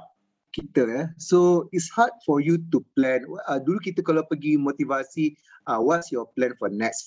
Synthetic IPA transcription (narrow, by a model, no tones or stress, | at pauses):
kit̪əɛsoitshat̚fɔjut̪uplɛ̃nwadulukit̪əkɔlapəɡimot̪ivasi | awɔtsjɔplɛ̃nfɔnɛks